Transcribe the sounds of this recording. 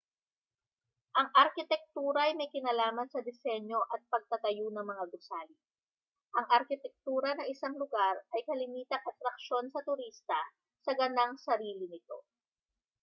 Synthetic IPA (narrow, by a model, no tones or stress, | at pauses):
ʔɐŋʔɐɾkɪt̪ɛk̚t̪uːɾɐɐjmɐjkɪnalaːmɐnsɐd̪ɪsɛɲjo̞ʔɐt̪̚pɐɡ̚t̪ɐt̪ɐjunɐŋmɐŋaɡʊsaːli | ʔɐŋʔɐɾkɪt̪ɛk̚t̪uːɾɐnɐŋʔɪsaŋlʊɡaɾɐjkɐlɪmiːt̪ɐŋʔɐt̪ɾɐk̚ʃo̞nsɐt̪ʊɾist̪ɐ | sɐɡɐnaŋsɐɾiːlɪnɪt̪o̞̰